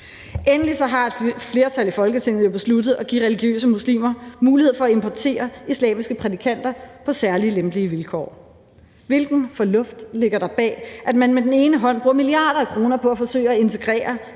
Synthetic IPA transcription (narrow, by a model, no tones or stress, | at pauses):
ʔenlisɒ̽ɦɑ̈e̝d̥fle̝ːɐt͡sʰælifɒ̽lɡ̥ət͡sʰe̝ŋ̰ð̩ˠjob̥e̝slud̥ð̩ˠɒ̽ɡ̥ḭːʁɛliɡ̥jø̰ːsəmuslḭːmɐmuːliheð̩̰ˠfɒ̽ːe̝mpʰɒt͡sʰe̝̰ːɐislɛ̰ːmisɡ̥əpʰʁɛt͡sikʰæn̰d̥ɐpʰɒ̽sæɐliəlemb̥liəʋilkʰɒ̰ː | ʋe̝lɡ̥n̩fɒ̽lɔ̽fd̥le̝ɡ̥ɐɾ̥ɑ̈b̥ɛ̰ːʔæd̥mænmed̥ene̝ːnəɦɒ̽n̰b̥ʁuːɐmiliɑ̈ːɾ̥ɐækʰʁo̝ːnɐpʰɒ̽æfɒ̽sø̰ːɪɐæe̝nt͡sʰe̝ɡ̥ʁɛ̰ːɐ